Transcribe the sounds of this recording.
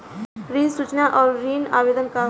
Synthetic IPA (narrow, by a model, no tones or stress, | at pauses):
ɾiːsut͡ʃnaʔɔːɾɾiːnaːʋeːd̪ənka